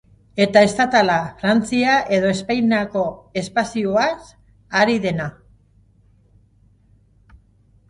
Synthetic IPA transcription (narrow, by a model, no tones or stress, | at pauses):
e̞t̪ae̞st̪at̪alafɾant͡siaʔe̞ðo̞e̞spajnako̞e̞spasioas | aɾiðe̞na